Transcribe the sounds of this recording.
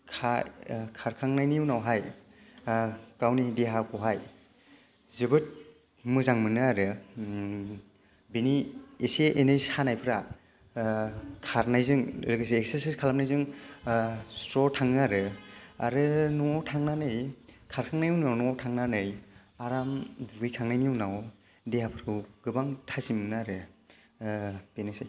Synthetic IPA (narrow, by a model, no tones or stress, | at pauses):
kʰakʰaɾkʰaŋnajnijuwnawɦaj | kawnidiɦakʰɔwɦaj | zɯbɯt̚ | mɯzaŋmɯnɯaɾɯ | binieseʔenɯjshanajpʰɯɾa | kʰaɾnajzɯŋlɯɡasiek̚seɾsiskʰalap̚najzɯŋ | stɾɔtʰaŋnɯaɾɯa̰ɾɯnɔŋawtʰaŋnanɯjkʰaɾkʰaŋnajuwnɯawnɔŋawtʰaŋnanɯjaɾamduɡɯjkʰaŋnajnijuwnaw | deapʰɯɾɯwɡ̥ɯbaŋtʰazimɯnɯaɾɯ | b̥enɯsaj